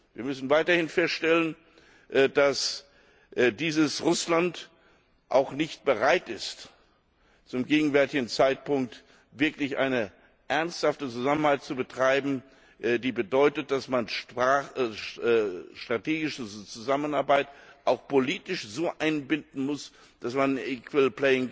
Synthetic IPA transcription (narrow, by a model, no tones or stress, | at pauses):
viːɐmʏsn̩vaɪtɐhɪnfɛstʃtɛlən | d̥as | diːzəsʁʊslant | ʔa̰ʊxnɪçt̚b̥əʁaɪtɪst | t͡sʊmɡeːɡŋ̩vɛɐtɪɡn̩t͡saɪt̚pʊŋk̚t | vɪɐklɪçʔa̰ɪnə | ʔɛɐnsthaftət͡suzamənhaɪt̚t͡subətʁ̥aɪbm̩ | ʔdiːbədɔʏtət̚d̥asman | ʃtʁ̥atʰeːɡɪʃət͡suzamənaɐbaɪtʔaʊxpoliːtɪʃz̥oːʔaɪnbɪndn̩mʊs | d̥asmanikwɪlplɛɪŋ